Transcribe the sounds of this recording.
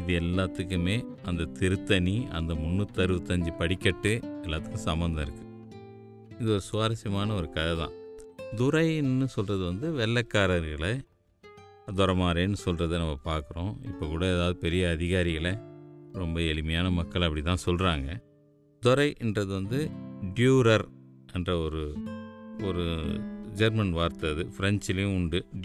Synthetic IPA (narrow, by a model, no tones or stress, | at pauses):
ɪðɯɛlːaːt̪ːɯkːɯmeːʔɐnd̪ɐt̪ɪɾɯt̪ːɐniɐ̰nd̪ɐmʊnːɯt̪ːɐɾɯʋɯt̪ːɐɲd͡ʒipɐɽɪkːɐʈːɯɛlːaːt̪ːɯkːɯ̃sɐmbɐnd̪ɐ̃ɪɾɯkːɯ̥ | ɪðɯɔɾɯsʊʋaːɾɐsjɐmaːnɐɔɾɯkɐðɐðã̰ːd̪ʊɾɐɪnːɯsɔlrɐðɯʋɐnd̪ɯʋɛlːɐkːaːɾɐɾɣɐɭɐ | d̪ɔɾɐmaːɾeːnːɯsɔlrɐðɯnɐmːɐpaːɾkɯɾõ̰ːɪpːokuːɽɐeːðaːʋɐðɯpɛɾɪjɐːðɪɣaːɾɪɣɐlɐɾɔmbɐɛlɪmɐjaːnɐmɐkːɐɭɐpːɐɽɪt̪ːãːsɔlɾaːŋɡɐ | d̪ʊɾɐɪʔɛndrɐðɯʋɐnd̪ɯɖjuːɾɐɾɛndrɐɔɾɯ | ɔɾɯd͡ʒɐɾmɐnʋaːɾt̪ɐðɯfɪɾɛnt͡ʃɪlɐjʊ̃ʊɳɖɯ